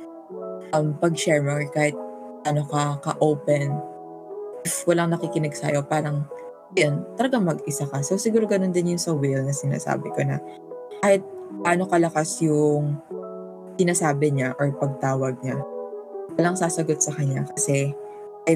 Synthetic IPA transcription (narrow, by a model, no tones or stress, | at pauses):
ʔɐmpɐɡ̚ʃɛɹmɐkaːhɪt̪̚ | ʔɐno̞kɐkɐʔowpɛn | ʔɪfwɐlaŋnɐkɪkɪnɪɡsa̰jo̞paːɾɐŋ | ɐjont̪ɐlɐɡaŋmɐɡɪsakɐsowsɪɡuːɾo̞ɡɐno̞nd̪ɪnjʊŋsɐwɪlnɐsɪna̰ːsa̰ːbɪko̞nɐ | kaːhɪt̪̚paːno̞kɐlɐkasjʊŋ | sɪnaːsaːbɛɲaʔoɹpɐɡ̚t̪aːwɐɡ̚ɲa | wɐlaŋsaːsɐɡot̪̚sɐkɐɲːakɐsɛ | ɐj